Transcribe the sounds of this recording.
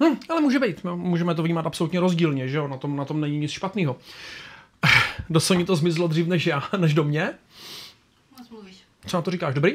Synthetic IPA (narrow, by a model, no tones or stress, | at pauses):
mm̩alɛmuːʒɛbɛjt̪momuːʒɛmɛt̪o̞vɲiːmat̪apso̞lut̪ɲɛɾo̞zɟiːlɲɛʒɛjonat̪omnat̪omnɛɲɪɲɪt͡sʃpat̪niːɦo | dosɛɲɪt̪ozmɪzlod̪riːfnɛʃjaːnɛʒdomɲɛ | t̪rɛbat̪oriːkaːʒdobɾiː